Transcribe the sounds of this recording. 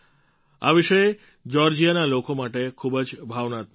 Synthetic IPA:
a̰biʃɔe | d͡ʑɔɾd͡ʑianalokʰomaʈekʰubed͡ʑbʱabnat̪

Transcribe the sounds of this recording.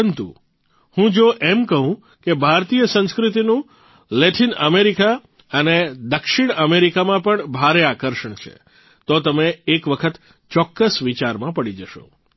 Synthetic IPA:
ənt̪ṵ | hũd͡ʒoʔemkəɦũ | kebʱaɾt̪ijəsə̃skɾit̪inũ | lɛʈʰinəmeɾika | əned̪əkʃiɳəmeɾikamãpəɳbʱaɾeakəɾʃəɳt͡ʃʰḛ | t̪ot̪əmeːkʋəkʰət̪ | t͡ʃɔkːəsʋit͡ʃaɾmãpəɽid͡ʒəʃo̰

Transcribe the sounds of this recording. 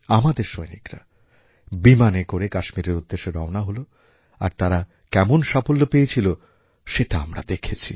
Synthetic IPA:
amad̪eɾʃojnikɾa̰ | bimanekoɾekaʃmiɾeɾud̪ːeʃeɾɔonaɦolo | a̰ɾt̪aɾa | kɛmonʃapolːopejet͡ɕʰilo | ʃeʈaamɾa̰d̪ekʰet͡ɕʰḭ

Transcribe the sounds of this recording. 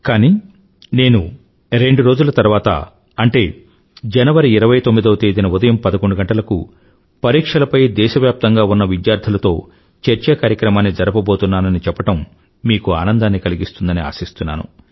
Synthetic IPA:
kaːni | ne̞ːnu | ɾe̞ɳɖuɾo̞ːd͡ʒulɐt̪ɐɾʋaːt̪ɐ̰ | ɐɳʈe̞ː | d͡ʒɐnɐʋɐɾiːɾɐʋɐjt̪omːid̪ɐːt̪eːd̪inɐud̪ɐjɐmpɐd̪ɐkoɳɖuɡɐɳʈɐlɐkṵ | pɐɾiːkʂɐlɐpɐjd̪ɛːʃɐʋjaːp̚t̪ɐŋɡaːunːɐʋid̪jaːɾd̪ʰɐlɐt̪o̞ː | t͡ʃɐɾt͡ʃɐkaːɾjɐkɾɐmaːnːid͡ʒɐɾɐpɐbo̞ːt̪unːaːnɐnit͡ʃɛpːɐʈɐmː | iːkuaːnɐnd̪aːnːikɐliɡist̪und̪ɐnia̰ːsist̪unːa̰ːnṵ

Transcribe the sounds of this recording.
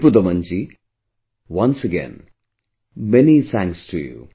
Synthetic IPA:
pud̪ɐmɐɲt͡ʃi | ʋɐ̃nsəɡɛ̰̃n | mɛnit̪ʰæ̃ŋksʈʰujṵ

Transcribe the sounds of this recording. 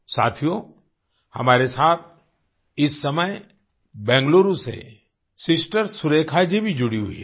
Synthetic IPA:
sa̰ːt̪ʰijõ | hɐ̰maːɾesaːt̪̚ʰ | ɪsːɐməj | bɛ̃ːŋɡloːɾusḛ | sɪsʈəɾsʊɾeːkʰad͡ʒibʱid͡ʒʊɽiɦṵiɛ

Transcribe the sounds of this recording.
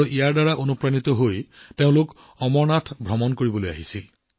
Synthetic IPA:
ʔijaɹdaɹaʔonupɹanit̪ɔɦojteʊ̃lʊk | ɔmɔɹnatʰbʱɔmɔnkoɹibɔloja̰ɦisil

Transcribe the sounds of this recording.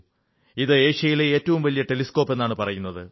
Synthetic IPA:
iðɨe̞ːɕɐjileeːtːɐʋumʋɐlijɐʈe̞lisko̞ːpːe̞nːaːɳɨpɐrɐjunːɐðɨ

